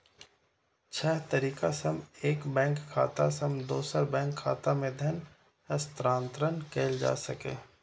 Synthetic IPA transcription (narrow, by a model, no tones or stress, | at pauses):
t͡ʃʰɛɦt̪ɐɾiːkasəmeːkbɛ̃ːŋkʰːa̰ːt̪asəmd̪oːsəɾbɛ̃ːŋkʰːaːt̪amẽd̪ʱjɐn | əst̪ɾãːnt̪ɾənkeːld͡ʒa̰ːsɐkḛ̃ː